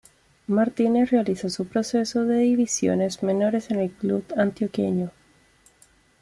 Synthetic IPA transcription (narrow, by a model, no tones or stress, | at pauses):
maɾt̪inesrealisosupɾo̞se̞so̞ðe̞ðiβisjo̞̰ne̞zme̞no̞ɾe̞senelklubant̪jokḛɲo